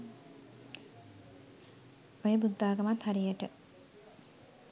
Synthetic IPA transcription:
ojəbud̪ːaːɡəmat̪haɾijəʈə

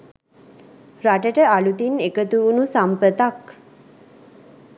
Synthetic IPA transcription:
raʈəʈəalut̪inekət̪uːnusampət̪ak

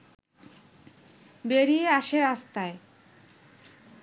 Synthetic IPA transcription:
beɾieaʃeɾast̪ae

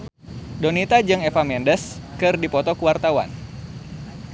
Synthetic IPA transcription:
donit̪ad͡ʒɨŋefamɛndəskɨrdipɔt̪ɔkuwart̪awa̰n

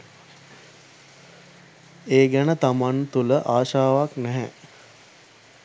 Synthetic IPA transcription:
eːɡænət̪amant̪uləʔaːʃaːʋaknɛɦɛ̰

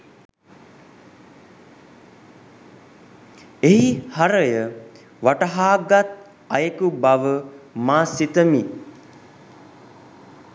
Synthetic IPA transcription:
eɦihaɾəjə | ʋaʈəɦaːɡat̪̚ | ajəkubaʋəmaːsit̪əmi

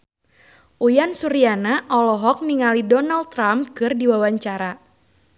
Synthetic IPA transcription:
ʔujansuɾianaʔɔlɔɦɔk̚niŋalidɔnalt̪ːɾamkɨrdiwawaɲt͡ʃaɾa

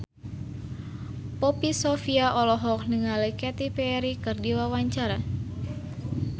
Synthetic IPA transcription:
pɔpisofiaʔɔlɔɦɔk̚nəŋalekɛt̪ipɛɾikɨrdiwawaɲt͡ʃaɾa

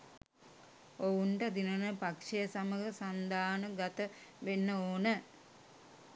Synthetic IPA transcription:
ouɳʈəd̪inənəpakʂejəsaməɦəsand̪aːnəɡat̪əʋenːəoːnə

